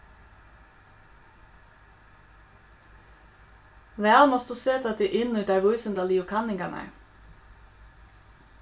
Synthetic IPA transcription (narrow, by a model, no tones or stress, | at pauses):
ʋɛɑlmɔst̪useːt̪ʰɑt̪̚d̪iːʔɪnn̩ʉːt̪ɑːʋʉʏsənd̪ɑliːʊkʰɑnɪŋɡɑnʔæ̰ɹ